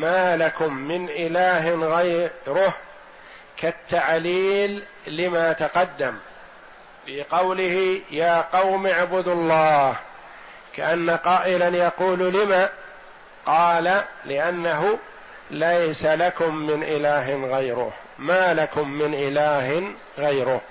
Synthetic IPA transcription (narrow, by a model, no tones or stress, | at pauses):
maːlakʊmːɪnʔɪlaːɦɪnɣajɾʊh | kat̪ːaʕliːlː | ɪmat̪aqɑd̪ːam | fɪqɑwlɪhɪjaːqɑwmaʕbʊd̪lˤːɑːh | kaʔanːaqɑːʔɪlanjɑquːllɪma | qɑːlalɪʔanːaɦʊ | lajsalakʊmːɪnʔɪlaːɦɪnɣajɾʊ̰h | maːlakʊmːɪnʔɪlaːɦɪn | ɣajɾʊh